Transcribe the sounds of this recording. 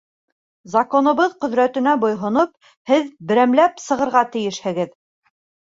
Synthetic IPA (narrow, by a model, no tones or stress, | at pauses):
zɐkonɤ̆βɤðqɵ̆ðɾæt̪ɘ̆næbŏjɦŏnop̚ | hɘðbɘ̆ɾæmlæpsɤ̆ʁɤ̆ɾʁɑt̪ɘ̆jɘʃhɘ̆ɡɘð